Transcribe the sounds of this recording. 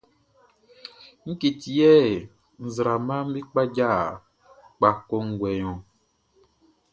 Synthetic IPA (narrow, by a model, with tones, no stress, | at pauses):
ŋ̩˦ki˨t̪i˨ɛ˦˨ | ŋ̩˨zɾa˨mã˦m̩˦mĩ˦k͡pa˦d͡ʒa˦˨ | k͡pa˨kɔ˦ŋ̩˦ɡwɛ˨ɲɔ̃˨